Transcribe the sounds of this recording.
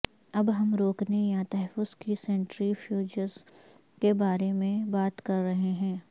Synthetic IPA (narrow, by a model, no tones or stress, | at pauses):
ɐbɦɐmɾoːknejat̪ɐɦɛfʊzkisɛ̃ɳʈɾifʰjuːd͡ʒəz | kebaːɾemẽbaːt̪kɐɾːɐɦeɦɛ̃ː